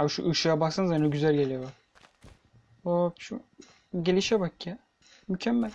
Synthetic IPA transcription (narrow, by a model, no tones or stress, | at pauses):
abʃṵʔɯʃajabaksanzanoɟyzælʲɟelʲijolˠaɾ | aʃu | ɟelʲiʃɛbakjɛ | mycʰɛmːælʲ